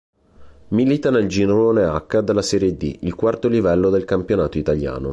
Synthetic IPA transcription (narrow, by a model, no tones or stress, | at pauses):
milit̪aneld͡ʒinoloneakːad̪alːasɛːɾijed̪ḭilkwart̪olivɛlːod̪elkampjonaːt̪oit̪alja̰ːno̰